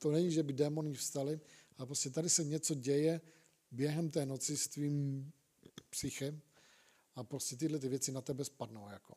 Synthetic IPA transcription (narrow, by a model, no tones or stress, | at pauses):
t̪onɛɲiʒɛbɪdɛːmo̞nifst̪alɪʔalɛpɾoscɛt̪adɪsɛɲɛt͡so̞ɟɛjɛ | bjɛɦɛmt̪ɛːno̞t͡sɪst̪viːm | pr̥ɪxɛm | ʔapɾoscɛt̪ɪdlɛt̪̬ɪvjɛt͡sɪnat̪ɛbɛspadno̞wjako̞̰